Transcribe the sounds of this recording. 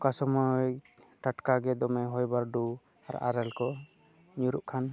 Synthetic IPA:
kasɔmɔ | ʈaʈkaɡɛd̪ɔmɛɦɔjbaɾɖu | a̰ɾa̰ʔa̰ɾɛlkɔ | ɲuɾuʔkʰan

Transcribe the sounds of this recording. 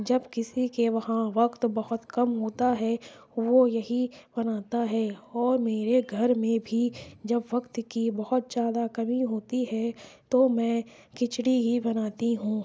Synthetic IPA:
d͡ʒɐbkɪsikeʋɐɦãʋɐkt̪bɐɦʊt̪kɐmɦoːt̪aɦɛʋojɐɦibɐnaːt̪aɦɛːɔːɾmeːɾeɡʱɐɾmẽbʱid͡ʒɐbʋɐkt̪kibɐɦʊt̪̚d͡ʒaːd̪akɐmiɦoːt̪iɦɛt̪omɛ̃ː | kɪt͡ʃɽiɦibɐnaːt̪iɦũː

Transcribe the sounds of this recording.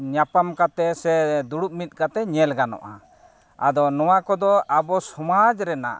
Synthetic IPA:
ɲapamkat̪ɛsɛd̪uɽup̚mit̪̚kat̪ɛɲɛlɡanɔ̰ʔa̰ | ad̪ɔnɔwakɔd̪ɔabɔsɔmad͡ʒɾɛna̰ʔ

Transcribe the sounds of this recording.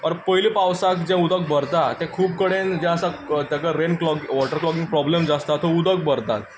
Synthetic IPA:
pəɾpəilipawsakd͡ʑɛ̃ud̪ək̚bəɾt̪at̪ɛ̃kʰuːp̚kəɽẽnd͡ʑɛ̃əsat̪jakaɾenklɔkʋɔʈəɾklɔk̬ĩŋɡ̚pɾɔblemd͡zast̪at̪ɦoud̪ək̚bəɾt̪a̰t̪̚

